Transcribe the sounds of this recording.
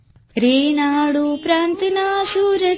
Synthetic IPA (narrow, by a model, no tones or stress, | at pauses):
ɾeːnaːɽupɾaːnt̪inaːʃuɾɐ